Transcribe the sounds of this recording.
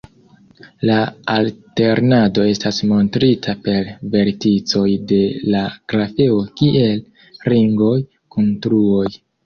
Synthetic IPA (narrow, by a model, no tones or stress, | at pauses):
laalte̞ɾnado̞e̞stasmo̞ntɾitʰape̞ɾve̞ɾtit͡so̞jde̞laɡ̥ɾafe̞o̞kiʔe̞l | ɾiŋɡo̞j | kuntɾuo̞j